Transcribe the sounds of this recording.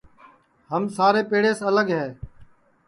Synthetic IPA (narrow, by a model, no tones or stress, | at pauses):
həmsaːɾeːpeːɽeːsələɡɦɛː